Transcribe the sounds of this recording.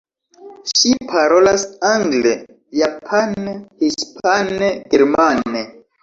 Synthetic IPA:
ʃipʰaɾo̞lasaŋɡle | japʰanhispʰaneɡeɾmane

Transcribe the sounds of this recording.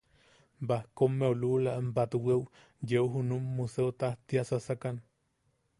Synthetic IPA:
bahkomːeolulambat̪uwew | jewɦunumːuseot̪aht̪iasasakan

